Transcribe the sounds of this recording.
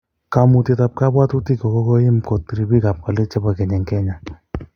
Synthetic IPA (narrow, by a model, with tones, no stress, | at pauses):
ka˨mu˧ti˧ta˧p̚ka˦bwa˦tu˦ti˦kɔ˨ko˦ko˦jɪ˦mko˨tːi˨ɾi˨bi˦ka˨p̚ka˨le˦t͡ʃa˦ba˨kɛ˨ɲɛ˨ŋkɛ˦ɲa˨